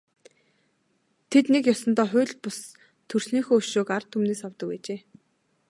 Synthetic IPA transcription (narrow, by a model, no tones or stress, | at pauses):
t̪ʰet̪nekjɔsɞ̆nt̪ɔːχʊ̟ːɮpʊs | t̪ʰɵr̥sniːxoːʃoːkart̪ʰːumneːsɔwt̪ɞ̆kæ̰ːt͡ɕeː